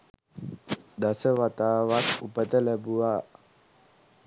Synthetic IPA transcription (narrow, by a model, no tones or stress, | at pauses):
d̪aseβat̪aβak̪upet̪elebua